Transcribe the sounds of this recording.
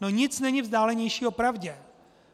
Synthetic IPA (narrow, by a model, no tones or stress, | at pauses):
noɲɪt͡snɛɲɪvzdaːlɛɲɛjʃiːopɾavɟɛ